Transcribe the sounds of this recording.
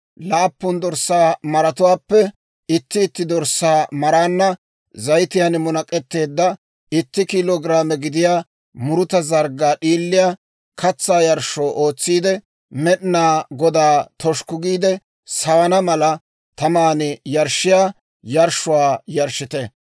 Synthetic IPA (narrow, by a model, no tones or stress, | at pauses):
laːpːʊnd̪ɔɾsːaːmɐɾɐt̪ʊwaːpːɛ | ɪt̪ːɪːt̪ːɪd̪ɔɾsaːmɐɾaːnːɐ | zɐjt̪ɪjɐnmʊnɐkʼːɛt̪ːe̞ːd̪ːɐ | ɪt̪ːɪkiloːɡɾaːmɛɡɪd̪ɪjaː | mʊɾʊt̪ɐzɐɾɡːaːɗiːlːɪjaː | kʰɐt͡sːaːjɐɾʃoːʔo̞ːt͡sːiːd̪ɛ | mɛɗɪnaːɡɔd̪aːt̪ɔʃkʊɡiːd̪ɛ | sɐwɐnɐmɐlɐ | t̪ɐmaːnɪjɐɾʃɪjaː | jɐɾʃʊwaːjɐɾʃɪt̪ɛ